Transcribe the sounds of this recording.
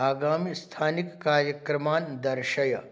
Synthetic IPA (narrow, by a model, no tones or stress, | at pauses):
aːɡaːmist̪ʰaːnikːaːɾjɐkɾɐmaːnd̪ɐɾʃɐjɐ